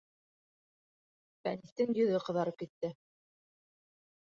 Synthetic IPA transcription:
fæ̰niθt̪ɘŋjɵ̆ðɵqɤ̆ðɑɾɤp̚kit̪ːɘ

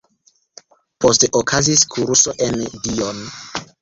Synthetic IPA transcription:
po̞steʔokʰaziskʰuɾuso̞ʔendion

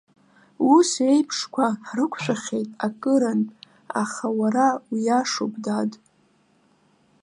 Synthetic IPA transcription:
use̞jpʰʂkʷʰaħrɨkʷʰʃʷᶣaχʲe̞jtʼakʼɨɾan | a̰χawaɾawijaʂo̰pʼdad

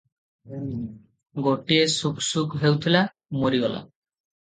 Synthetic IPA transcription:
ɡoʈiesuksukɦewt̪ʰila | moɾiɡɔla̰

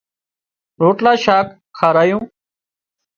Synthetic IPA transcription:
ɾoːʈlaːʃaːk | xʰaːɾaːjũː

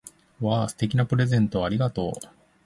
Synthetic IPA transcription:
βaːsɨ̥t̪e̞kʲinapɯ̟ɾe̞zẽ̞nt̪o̞aɾʲiɡat̪o̞ː

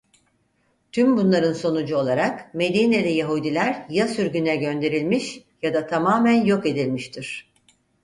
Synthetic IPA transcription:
t̪ʰymbunlˠaɾɯnso̞nud͡ʒuo̞lˠaɾakme̞d̪iːnelʲɛjaɦud̪ilʲæɾjasyɾɟynɛɟø̞nd̪e̞ɾilʲmiʃjad̪at̪ʰamaːmænjo̞ke̞d̪ilʲmiʃt̪ʰiɾ̥

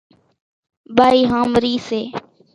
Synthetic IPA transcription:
baːiːɦãːmɾiːseː

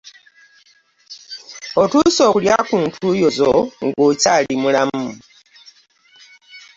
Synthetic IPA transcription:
otuso̞ːkuljakuːntʰuːjo̞zoŋɡocaːlimulamu

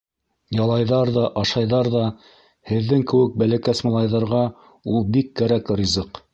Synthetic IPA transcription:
jɑlˠɑjðɑɾðɑʔɑʃɑjðɑɾðɑ | hɘ̆ðːɘŋkɘ̆wɘk̚bælækæsmɑlˠɑjðɑɾʁɑ | ulˠbikːæɾækrʲizɤq

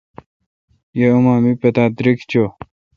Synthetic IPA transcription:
jeumaːmipɐt̪aːd̪ɾikt͡ɕo

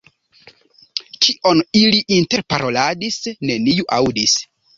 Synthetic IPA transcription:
kiʔo̞niliʔinte̞ɾpaɾo̞ladisne̞nijuʔawdis

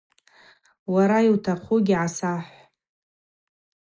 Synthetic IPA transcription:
waɾaiwtʰaχʰʷuɡʲiʕasaħʷ

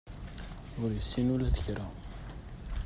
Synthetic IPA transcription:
ʊɾjəsːinulæd̪əçɾa

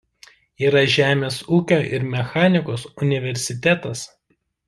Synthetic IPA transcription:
iːɾɐʒʲæːmʲeːsuːkʲoːʔɪɾmʲɛxɑːnʲɪkoːsʊnʲɪʋʲɛɾʲsʲɪt̪ʲæt̪ɐs

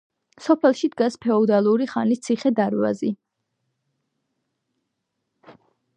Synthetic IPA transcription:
sɔpʰɛlˠʃid̪ɡaspʰɛɔd̪alˠuɾiχanist̪sʰiχɛd̪aɾva̰zi

